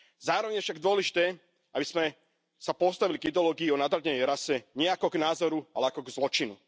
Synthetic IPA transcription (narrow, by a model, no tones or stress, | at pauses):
zaːɾɔʋɛɲjɛfʃaɡd̪ʊɔlɛʒit̪ɛ | abiz̥mɛ | sapɔst̪aʋiliɡid̪ɛɔlɔːɡiːɔnad̪ɾaɲɛɲɛɾasɛɲɪɛakɔɡnaːzɔɾua̰lɛakɔɡzlɔt͡ʃinu